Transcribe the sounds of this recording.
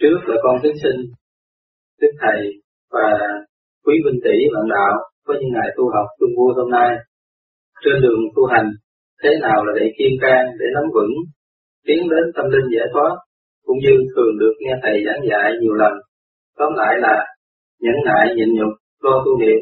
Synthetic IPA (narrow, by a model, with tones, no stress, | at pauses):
t͡ɕɨ˦˥ək̚laː˨˩kɔ˧nt̪i˨˦əŋsï˧ŋ̟ | t͡ɕɨ˦˥k̚t̪ʰə˨˩j | vaː˨˩ | kwi˨˦ɓï˧ŋ̟t̪i˧˩ɓa̰ː˧˨nɗa̰ː˧˨wvəː˨˦jɲɨ̰˧˥ŋːa̰ː˧˨jt̪u˧ɦa˨˩wk͡p̚t̪ɨ˧əŋvu˧əjɦo˧mnaː˧j | t͡ɕe˧nɗɨ˨˩əŋt̪ʰu˧ɦa˨˩jŋ̟ | t̪ʰe˨˦naː˨˩wlaː˨˩ɗḭ˧˩ki˧ənkaː˧ŋɗe˧˩nɔ˨˦mvɨ̰˧˥n | t̪i˨˦ənɗe˨˦nt̪ʰə˧mlï˧ŋ̟za̰ː˧˥˩jt̪ʰwaː˦˥t̚ | kʊ̰˧˥ŋ͡mɲɨ˧t̪ʰɨ˨˩əŋɗɨ˨˩ək̚ŋɛ˧t̪ʰə˨˩jzaː˨˦ŋza̰ː˧˨jɲi˨˩əwlə˨˩n | t̪ɔ˨˦nla̰ː˧˨jlaː˨˩ | ɲə̰˧˨nːa̰ː˧˨jɲə̰˧˨nɲʊ˨˩k͡p̚ | lɔ˧t̪u˧ŋḭ˨əp̚